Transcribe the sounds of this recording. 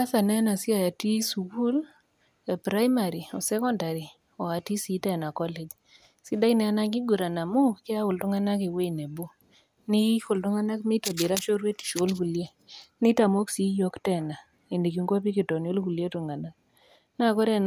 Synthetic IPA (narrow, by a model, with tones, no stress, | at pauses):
a˦θa˨nɛ˦na˨si˦a˨ja˨ti˦su˨ku˦l | pɾa˦jma˨ɾi˨ɔ˨sɛ˦kɔ˦nda˨ɾi˨ | ɔ˨a˨ti˦si˦tɛ˨na˨kɔ˦le˨d͡ʒ | si˦da˦inɛ˨a˦na˦ŋɡi˦ɡu˨ɾa˨na˨mu˦kɪ˦a˦wʊ˨ltʊ˦ŋa˦na˦ke˨we˦nɛ˨bo˦ | ni˦ko˨ltʊ˦ŋa˦na˦kmi˦to˨bi˨ɾa˦ʃo˦ɾwe˦ti̥˨ʃo˦lku˨lje˦ | ni˦ta˨mo˦ksi˨˦jo˦ktɛ˨na˨ | e˨ndi˨k̬i˨ŋɡo˦p̬i˦ki˨tɔ˨njo˦lku˨lje˦tʊ˨ŋa˨na˦ | na˦kɔ˦ɾɛ˦n